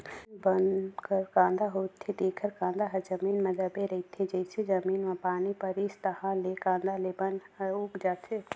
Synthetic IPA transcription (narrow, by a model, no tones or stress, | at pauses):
bənkəɾkãːnd̪aɦoːt̪ʰːed̪eːkʰəɾkãːnd̪aɦəɾd͡ʒəmiːnmẽd̪əbeɾɐɦit̪ʰːed͡ʒɛɪsed͡ʒəmiːnmãpaːnipəɾist̪əɦãlekãːnd̪alebən | uːkd͡ʒaːt̪ʰe